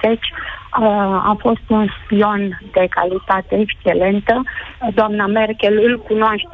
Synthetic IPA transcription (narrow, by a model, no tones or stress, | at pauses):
et͡ʃʲ | a̰fo̞st̪unspio̞nd̪e̞ka̰lit̪at̪e̞ekʃt͡ʃe̞le̞nt̪əd̪oamnamerkʲelɨlkunoaʃt̪